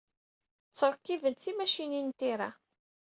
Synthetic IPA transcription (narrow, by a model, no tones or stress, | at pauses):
t͡sːəɾˤkːivənt̪θimæʃinint̪iɾa